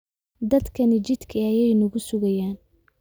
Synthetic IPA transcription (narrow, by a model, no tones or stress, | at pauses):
d̪ɐd̪kʰɐnɪt͡ʃɪd̪kʰiɐjɛjnʊɣʊsʊɣɐjaːn